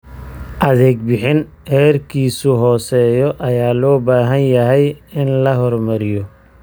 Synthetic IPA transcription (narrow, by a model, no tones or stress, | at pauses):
ʔɐðɛːɡ̚bɪħɪn | hɛːrkʰiːsʊɦɔːsɛːjɔʔɐjaːlɔːbaːɦɐnjɐɦɛjɪnlɐɦɔrmɐɾɪjɔ